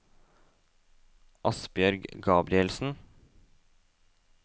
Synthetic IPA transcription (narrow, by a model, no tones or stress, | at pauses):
ʔɑsbjœɾɡɡɑːbɾɪɛlsn̩